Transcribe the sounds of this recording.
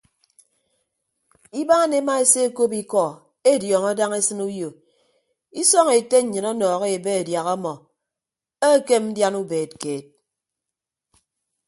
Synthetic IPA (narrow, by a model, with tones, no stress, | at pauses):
i˦ba˦ne˦ma˦e˨se˦e˦ko˦pi˦kɔ˨ | e˦˨djɔː˨ŋɔ˦da˦ŋe˦sɨ˦nu˦jo˨ | i˦sɔ˦ŋe˨te˦ɲ̩˨ɲɨ˨nɔ˦nɔː˨ɣe˦e˨be˦e˨dja˨ɣɔ˦mɔ˨ | e˦ke˦mn̩˦dja˦nu˦beː˨t̚keː˨t̚